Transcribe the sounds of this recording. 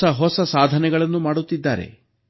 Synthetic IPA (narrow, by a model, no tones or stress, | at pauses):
ɐɦɔsɐsaːd̪ʱɐnɛɡɐɭɐnːumaːɽut̪ːid̪ːaːɾḛ